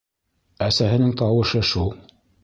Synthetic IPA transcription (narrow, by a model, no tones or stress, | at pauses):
æsæɦɘ̆nɘŋt̪ɑwɤ̆ʃɤʃulˠ